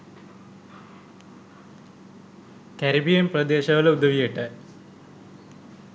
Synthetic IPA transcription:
kɐɾibijɐmprɐd̪eːɕɐɣɐlud̪ʱɐʋijiʈːɨ

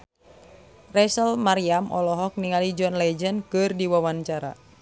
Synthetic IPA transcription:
rɛsəlmaɾiamʔɔ̰lɔɦɔk̚niŋalid͡ʒɔnlɛd͡ʒənkɨrdiwawaɲt͡ʃaɾa̰

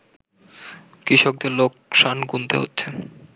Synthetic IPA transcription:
kɾiʃok̚d̪eɾlok̚ʃanɡunt̪ḛɦo̰tːɕʰe

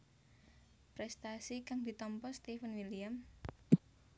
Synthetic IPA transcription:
pɾɛst̪asikaŋd̪̥i̤t̪ɔmpɔst̪ifənwiliam

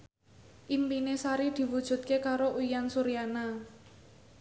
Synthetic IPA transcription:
ʔimpinesaɾid̪̥i̤wud̥ʒ̥ṳt̪̚kekaɾoʔujansuɾijana

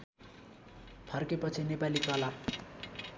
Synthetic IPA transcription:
pʰʌrkepʌt͡sʰinepalikʌla

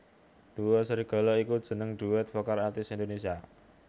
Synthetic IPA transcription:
d̪̥uwɔsəɾiɡ̥ɔ̤lɔikud̥ʒ̥ə̤nəŋɖ̪̥uwɛt̪̚fɔkaɾart̪ɪsind̪onesia

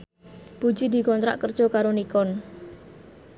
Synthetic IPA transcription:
b̥u̥d͡ʒid̪i̤kɔnt̪ɾa̰ʔkərd̥ʒ̥ɔ̤kaɾonikɔn

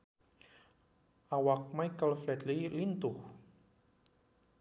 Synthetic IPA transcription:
awak̚majkəlflɛt̪lilint̪ʊh

